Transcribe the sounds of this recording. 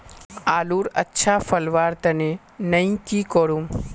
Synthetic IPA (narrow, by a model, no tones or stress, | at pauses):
aːluːɾə̰tːʃʰafʰəlʋaːɾt̪əne | nəĩkikəɽum